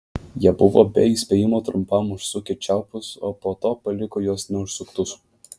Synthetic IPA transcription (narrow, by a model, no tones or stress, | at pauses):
jiɛbʊʋo̰bʲɛiːsʲpʲeːjɪmoːt̪ɾʊmpɐmʊʃsʊkʲɪt͡ʃʲæʊpʲʊsoːpoːt̪oːpɐlʲɪkoːjoːsnʲɛʊʃsʊkt̪ʊs